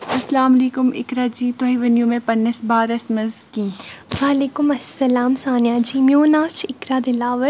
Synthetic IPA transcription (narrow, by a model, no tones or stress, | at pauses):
ɐslaːmɐleːkʊmɪ̰kɾaːd͡ʒiːt̪oɦĩʋɐnjũmẽpɐnːəsbaːɾɐsmɐzkiːʋaːleːkʊmɐsːɐlaːmsaːnjaːd͡ʒiːmjoːnaːt͡ʃɪkɾaːd̪ɪlaːʋəɾ